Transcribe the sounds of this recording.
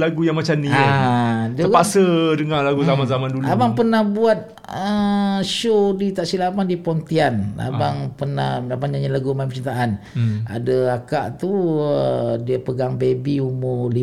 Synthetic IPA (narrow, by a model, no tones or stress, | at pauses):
laɡujaŋmat͡ʃamniadəpasədəŋalaɡuzamanzamanduluabaŋpərnahbuat̪̚ | əʃodit̪aʔsilamandipɔnt̪ianla̰baŋpərnahlabaŋɲaɲalaɡumampət͡ʃint̪aʔana̰dəakaʔt̪uədiəpəɡaŋbebiumʊli